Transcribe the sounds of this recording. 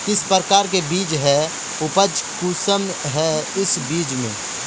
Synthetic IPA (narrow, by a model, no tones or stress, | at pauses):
kɪspəɾəkaːɾk̬ebiːd͡ʒɦɛ | ʊpəd͡ʒkusəm | ɦɛɪsbiːd͡ʒmḛ̃